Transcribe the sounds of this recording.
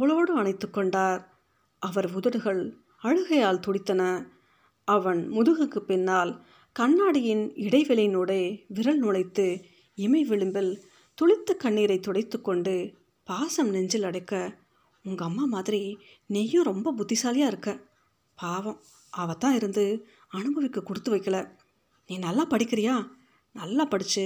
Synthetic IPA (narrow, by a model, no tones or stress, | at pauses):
pɐɭoːɽɯɐɳɐɪt̪ːɯkːɔɳɖaːɾ | ʔɐʋɐɾʊðɐɾɯɣɐɭ | ɐɻɯɣɐjaːlt̪ɔɽɪt̪ːɐnɐ | ɐʋɐnmʊðɯɣɯkːɯpɪnːaːl | kɐɳːaːɽɪjɪnɪɽɐɪʋɪlɐjnoːɽeːʋɪɾɐɭnʊɭɐɪt̪ːɯ | ɪmɐɪʋɪɭɯmbɪl | t̪ɔɭɪt̪ːɐkːɐɳːiːɾɐɪt̪ːɔɽɐɪt̪ːɯkːɔɳɖɯ | paːsɐmnɛɲd͡ʒɪlɐɽɐɪkːɐ | ʊŋɡɐːmːaːmaːðɪɾi | nɛːjõːɾɔmbɐbʊd̪ːɪsaːlɪjaːɪɾɯkːɐ | paːʋɐm | ɐʋɐt̪ːãːɪɾɯnd̪ɯ | ɐnɯbɐʋɪkːɯkːʊɽɯt̪ːɯʋɐɪkːɐɭɐ | niːnɐlːaːpɐɽɪkːɪɾɪjaː | nɐlːaːpɐɽɯt͡ʃːɯ